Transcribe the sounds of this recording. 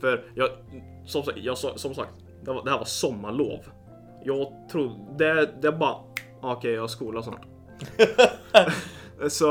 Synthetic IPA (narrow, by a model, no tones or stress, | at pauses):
fœɾjɑː | sɔmsakjɑːsɔ̰ːsɔmsa̰k̚t̪ | d̪ɛvad̪ɛhæːɾvasɔmːaɭo̰ːv | jɑːɡt̪ʰɾud̪ɛd̪ɛæɾbɑːɾa | akʰɛjɑskuːlasnɑ̰ːʈ | sɔ